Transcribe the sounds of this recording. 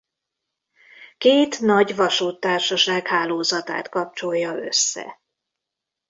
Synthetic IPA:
keːt̪nɒɟvɒʃut̪ːaːrʃɒʃaːkhaːloːzɒt̪a̰ːt̪kɒp̚t͡ʃo̞jːɒø̞̰sːɛ̰

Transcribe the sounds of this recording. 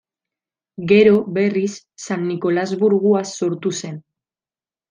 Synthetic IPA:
ɡe̞ɾo̞βe̞risːanːiko̞lazβuɾɣ̞uasːo̞ɾt̪use̞n

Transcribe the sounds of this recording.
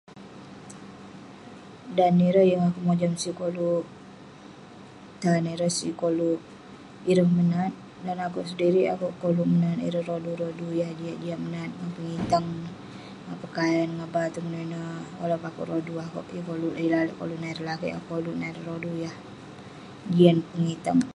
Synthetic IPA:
daniɾəhjəŋakuʔmod͡ʒamsikolu | t̪aniɾəsḭkolu | iɾəhmənat̪̚ | danakuʔsədiɾia̰kuʔkoluʔmənat̪ḭɾəhroduɾodujahd͡ʒiaʔd͡ʒiamənat̪̚ŋapəŋit̪əŋ | ŋapəkajanŋabat̪umənoinəo̰lapakṵʔɾoduakuʔikoluilalə̰ʔko̰lunairlakḭʔa̰koluʔnaiɾəɾodujah | d͡ʒianpəŋit̪ə̰ŋ

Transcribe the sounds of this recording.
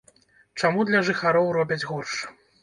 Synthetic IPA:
t͡ʂamud̪lʲɐʐɨxaɾɔwɾɔbʲɛd͡zʲɣɔrʂ

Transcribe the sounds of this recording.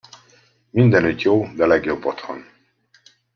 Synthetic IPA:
mind̪ɛnyt̪ʰjoːd̪ɛlɛɡjobːot̪χɔ̰n

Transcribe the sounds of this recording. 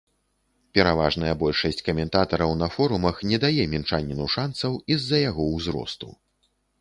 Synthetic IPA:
pʲɛɾava̰ʐnɐjɐbɔlʲʂɐsʲt͡sʲkɐmʲɛnt̪at̪ɐɾɐwnɐfɔɾumɐxnʲɛd̪ajɛmʲɛnt͡ʂanʲːɛnuʂansɐwizːɐjaɣɔwzɾɔ̰st̪ṵ

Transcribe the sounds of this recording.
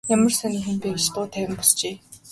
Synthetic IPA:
jamə̆rsænĭxɘ̆mpiːʃt̪ʊːt̪ʰæwʲɪ̆mpɔst͡ɕeː

